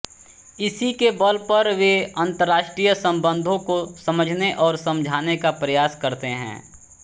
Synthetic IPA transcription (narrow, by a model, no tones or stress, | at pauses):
ɪsikebɐlpɐɾʋeɐ̃nt̪əɾːaːʃʈɾijəsɐ̃mbə̃nd̪ʱõkosɐməd͡ʒʱneʔɔːɾsɐ̃md͡ʒʱaːnekapɾɐjaːskɐɾt̪eɦɛ̰̃ː